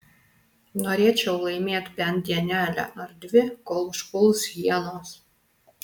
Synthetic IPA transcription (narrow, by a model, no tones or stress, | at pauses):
noːɾʲeɛt͡ʃʲɛʊlˠɐɪmʲeɛt̪ʲpʲɛnd̪ʲiɛnʲæːlʲæ̰ʔɐɾd̪ʲʋʲɪkoːlˠʃpʊlˠsɣʲiɛnoːs